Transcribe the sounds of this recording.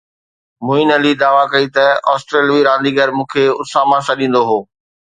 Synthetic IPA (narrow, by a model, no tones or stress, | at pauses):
mʊĩnɐlid̪aːʋakɐit̪ɐɔ̰ːsʈɾeːlʋiɾãːn̆d̪iɡəɾmũːkʰeʊsaːmãsɐɗĩːn̆d̪oɦoː